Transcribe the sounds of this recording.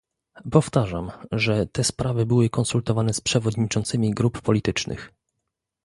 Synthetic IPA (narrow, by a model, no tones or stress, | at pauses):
pɔft̪aʐamʐɛt̪ɛspɾavɘbɘwɘkɔnsult̪ɔvanɛspʂɛvɔd̪ɲit͡ʂɔnt̪sɘmʲiɡɾupːɔlʲit̪ɘt͡ʂnɘ̰x